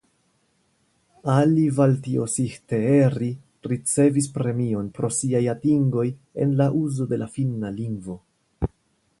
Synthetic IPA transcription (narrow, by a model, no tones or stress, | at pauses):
alivaltio̞̰sixte̞eɾi | ɾit͡se̞vis̬pɾe̞mio̞npɾo̞siajatiŋɡo̞je̞̰nlaʔuzo̞de̞lafinaliŋɡvo̞